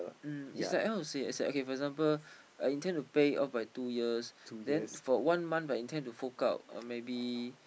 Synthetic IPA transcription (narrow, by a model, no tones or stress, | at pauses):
isslajkhaʊtusea̰saʔokefɔɛɡzãmpəl | ajĩntɛ̃ntupeɔ̰fbajtujiəsdɛ̃nnfɔwãnmãnfajĩntʰɛ̃ntufoka̰ʊt̚ʌ̰mebi